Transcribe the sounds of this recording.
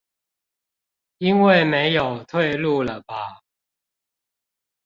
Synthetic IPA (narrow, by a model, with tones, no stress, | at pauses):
i˦nwe˥˨ɪme˧˦ɪjo˨˩ʊt̪ʰwe˥˧ɪlu˥˨lə˩ba˨˩